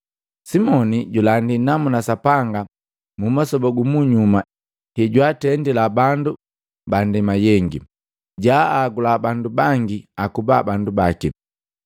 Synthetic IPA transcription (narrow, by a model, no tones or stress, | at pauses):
simɔniɟulandinamunasapaŋɡa | mumasɔbɔɡumuɲuma | hɛɟwatɛndilabandu | bandɛmajɛŋɡi | ɟaaɡulabandubaŋɡiakubabandubaki